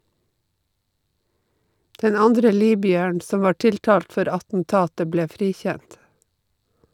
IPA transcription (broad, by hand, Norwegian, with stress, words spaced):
ˈdɛn ˈɑndɾə ˈliːbʏəɳ ˈsɔm ˈʋɑː ˈʈɪlˌtɑːlt ˈfɔɾ ɑtn̩ˈtɑːtə ˈbleː ˈfɾiːˌçænt